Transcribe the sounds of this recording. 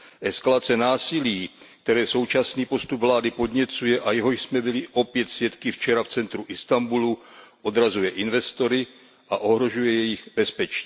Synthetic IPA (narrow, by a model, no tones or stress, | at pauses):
ʔɛskalat͡sɛnaːsɪliːk̚t̪ɛɾɛːso̞wt͡ʃasniːpo̞st̪ubvlaːdɪpo̞d̪ɲɛt͡sujɛʔajɛɦo̞ʃsmɛbɪlɪʔo̞pjɛt̪svjɛt̪kɪft͡ʃɛɾaft͡sɛnt̪ɾuʔɪst̪ambuluʔo̞d̪ɾazujɛʔɪnvɛst̪o̞ɾɪ | ʔaʔo̞ɦɾo̞ʒujɛjɛjɪɣbɛspɛt͡ʃɲiː